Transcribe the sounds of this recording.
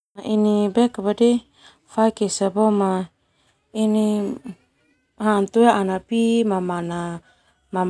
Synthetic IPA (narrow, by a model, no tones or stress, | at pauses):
aʔinibɛkabadi | faikesaboma | ini | hant̪ueanapimamana | mam